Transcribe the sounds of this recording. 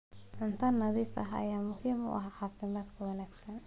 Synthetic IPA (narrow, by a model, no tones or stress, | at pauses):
ʕʊnt̪ʰɐnːɐðiːfɐɦɐ̰jaːmʊhiːmʊ̰ʔɑ̰ɦaħaːfɪmaːd̪kʰɐwɑnaːɡsɐn